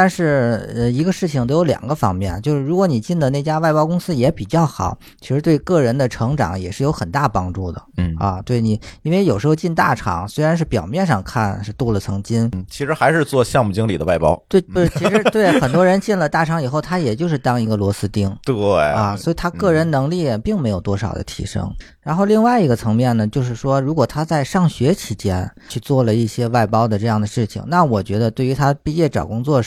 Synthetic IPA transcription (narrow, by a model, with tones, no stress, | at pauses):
t̪a˥˧nʂɻ̩˥˩ə˧i˧˥ɡə˧ʂɻ̩˥˩t͡ɕʰi˩ŋt̪o˧˥jo˧˥ʊljɑ̰˨˩ŋɡə˧˦fɑ̰˥ŋmjɛ̰˥˩nt͡ɕjo˥˧ʊʂɻ̩˥˩ɻu˧˥kwɔ˧˥ni˨˩t͡ɕi˥˩nd̪ə˩ne˥˩ɪt͡ɕja˥wa˥˩ɪpɑ˥ʊkʊ˥ŋsɹ̩˥jɛ˧˥pi˨˩t͡ɕjɑ˥˩ʊxɑ̰˨˩˦ʊ | t͡ɕʰi˧˥ʂɻ̩˧˥t̪we˥˧ɪkɤ˥˩ɻə˧˥nd̪ə˧ʈ͡ʂʰɤ˧˥ŋʈ͡ʂɑ̰˨˩˦ŋjɛ˨˩ʂɻ̩˥˩jo˧˥ʊxə˨˩nt̪a˥˩pɑ˥ŋʈ͡ʂu˥˩d̪ə̰˩ɐ̰˧˩t̪we˥˩ɪni˨˩i˥nwe˥˩ɪjʊʂɻ̩˧˥xo˧ʊt͡ɕi˥˧nt̪a̰˥˩ʈ͡ʂʰɑ̰˧˥ŋswe˥ɪɻa˧˥nʂɻ̩˥˩pjɑ˨˩ʊmjɛ˥˧nʂɑ˥˧ŋkʰa˥˩nʂɻ̩˥˧t̪u˥˩lə˩t͡sʰɤ˧˥ŋt͡ɕi˥nt͡ɕʰi˧˥ʂɻ̩˧˥xa˧˥ɪʂɻ̩˧t͡swɔ˥˧ɕjɑ˥˧ŋmu˥˩t͡ɕi˥ŋli˨˩d̪ə˦wa˥˩ɪpɑ̰˥ʊt̪we˥˩ɪ˥˩t͡ɕʰi˧˥ʂɻ̩˧˥t̪we˥˩ɪxə˨˩nt̪wɔ˥ɻə˧˥nt͡ɕi˥˩nlə˩t̪a˥˩ʈ͡ʂʰɑ˧˥ŋi˨˩xo˥˩ʊt̪ʰa˥jɛ˨˩t͡ɕjo˥˧ʊʂ̬ɻ̩˥˧˩t̪ɑ˥ŋi˧˥ɡə˧lwɔ˧˥sɹ̩˥t̪i˥ŋt̪we˥˩ɐ˧swɔ˧˥i˨˩t̪ʰa˥kɤ˥˩ɻə˧˥nnɤ˧˥ŋli˥˩˨pi˥˩ŋme˧˥ɪjo˨˩ʊt̪wɔ˥ʂɑ˨˩ʊd̪ə̰˦t̪ʰḭ˧˥ʂɤ̰˥ŋ | ɻa˧˥nxo˥˧li˥˧ŋwa˥˩ɪi˧˥ɡə˧t͡sʰɤ˧˥ŋmjɛ˥˩nnə˩t͡ɕjo˥˧ʊʂɻ̩˥˩ʂwɔ˥ɻu˧˥kwɔ˨˩t̪ʰa˥t͡sa˥˧ɪʂɑ˥˩ŋɕɥɛ˧˥t͡ɕʰi˧˥t͡ɕjɛ˥n | t͡ɕʰy˥˧t͡swɔ˥˩lə˩i˥˩ɕjɛ˥wa˥˩ɪpɑ˥ʊd̪ə˨ʈ͡ʂɤ˧jɑ˥˩ŋd̪ə˩ʂɻ̩˥˩t͡ɕʰḭ˩ŋna˥˩wɔ˨˩t͡ɕɥɛ˧˥d̪ə˧t̪we˥˩ɪy˧˥t̪ʰa˥pi˥˧t͡ɕjɛ˥˩ʈ͡ʂɑ̰˨˩kʊ˥ŋt͡swɔ˥˩